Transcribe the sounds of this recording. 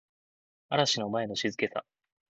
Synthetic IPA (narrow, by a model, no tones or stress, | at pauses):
aɾaɕinomae̞no̞ɕizɨke̞sa̰